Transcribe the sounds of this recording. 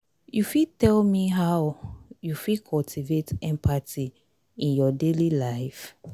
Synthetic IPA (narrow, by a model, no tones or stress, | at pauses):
jufitɛlmiɦawjufikʰɔltʰivetɛ̃mpʰati | ĩnjɔdelilaɪf